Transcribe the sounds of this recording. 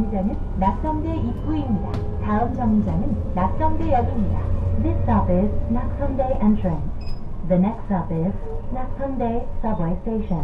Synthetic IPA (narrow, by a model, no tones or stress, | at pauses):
id͡ʑanɯnːak̚s͈ʌmdeik͈uimɲida | taɯmd͡ʑʰʌŋɲid͡ʑanɯnːak̚s͈ʌmdejʌɡimɲida̰ðisʌpɪznak̚sʰʌndejʔɛ̃ntʰɹẽnðənɛkstʌpɪz̥nak̚sʰʌndesʌbwejsteɕʌ̃n